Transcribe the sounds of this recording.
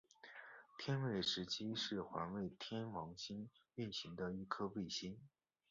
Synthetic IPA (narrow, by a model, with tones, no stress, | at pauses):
t̪ʰjɛ˥nwe˥˩ɪʂɻ̩˧˥t͡ɕʰi˥ʂɻ̩˥˩xwa̰˧˥nwe˥˩ɪt̪ʰjɛ˥nwɑ˧˥ŋɕi˥ny˥˩nɕi˧˥ŋd̪ə˧i˥˩kʰɤ˥we˥˩ɪɕi˥n